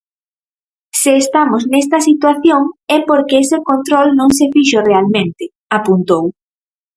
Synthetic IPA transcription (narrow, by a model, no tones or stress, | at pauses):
seːst̪amosnɛs̬t̪ɐsit̪waθjoŋɛpoɾkeesekont̪ɾɔlnõŋsefiʃorealmẽnt̪ɪ | apunt̪ow